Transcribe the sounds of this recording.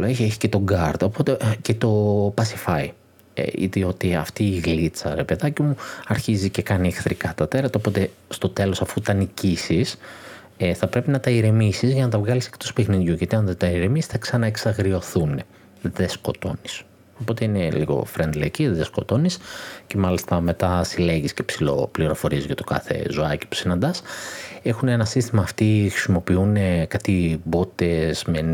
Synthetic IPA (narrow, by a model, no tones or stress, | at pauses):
loeçeçi̥cet̪o̞ɡɐɾt̪o̞po̞t̪e̞ce̞t̪o̞pɐsi̥fɐḭ | ḭðio̞t̪iɐ̰ft̪iːɣlit͡sɐ̰ɾe̞pe̞ðɐcimuɐɾçizice̞kɐniexθɾikɐt̪ɐt̪e̞ɾɐt̪ɐopo̞t̪e̞st̪o̞t̪e̞lo̞sɐfut̪ɐnicisis | eθɐpɾe̞pinɐt̪ɐiɾemisizʝɐnɐt̪ɐvɣɐlise̥kt̪ospexniðʝuʝɐt̪iɐnðet̪ɐiɾemisi̥sθɐksɐnɐeksɐɣɾio̞θune | ðe̞sko̞t̪o̞̰nis | opo̞t̪e̞inelḭɣo̞̰fɾend̪leɐciðesko̞t̪o̞nisce̞mɐlist̪ɐme̞t̪ɐsile̞ʝisce̞psilo̞̰pliɾo̞fo̞ɾiezʝɐt̪o̥kɐ̰θe̞̰zoɐci̥pu̥sinɐnd̪ɐse̞xune̞nɐsist̪imɐːft̪ixɾisimo̞piunekɐt̪ibot̪ez̥men